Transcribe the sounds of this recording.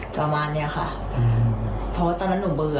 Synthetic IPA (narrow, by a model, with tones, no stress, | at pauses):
pa˧maː˧nːi˦˥ɐkʰa̰˧˩ʔ | pʰɔ˧waː˧t̪a˧naː˧˥nuː˧˩˦bɯː˧